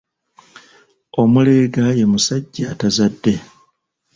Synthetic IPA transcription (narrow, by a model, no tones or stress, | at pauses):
o̞mule̞ːɡaje̞musaɟːatazadːe̞